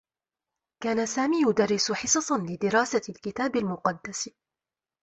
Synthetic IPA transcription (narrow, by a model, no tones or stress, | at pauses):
kaːnasaːmiːjʊd̪arːɪsʊħɪsɑsˤɑnlɪd̪ɪɾaːsalkɪt̪aːbalmʊqɑd̪ːas